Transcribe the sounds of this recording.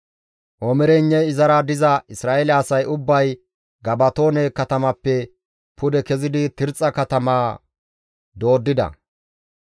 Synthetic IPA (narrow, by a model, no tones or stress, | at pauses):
ʔɔmɛɾɛɲːɛjɪzɐɾɐd̪ɪzɐɪsɾaːʔelɛːsɐjʔʊbːɐj | ɡɐbɐt̪o̞ːnɛkɐt̪ɐmɐpːɛ | pʊd̪ɛkɛzɪd̪ɪt̪ɪɾt͡sʼːɐkɐt̪ɐmaː | d̪o̞ːd̪ːɪd̪ɐ̰